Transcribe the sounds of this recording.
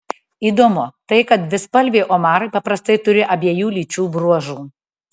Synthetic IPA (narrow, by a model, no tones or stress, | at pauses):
iːd̪oːmʊt̪ɐɪkɐt̪ʋʲɪspɐlʲʋʲeːʔoːmɑːɾɐɪpɐpɾɐst̪ɐɪt̪ʊɾʲɪʔɐbʲiɛjuːlʲiːt͡ʃʲuːbɾuɔʒuː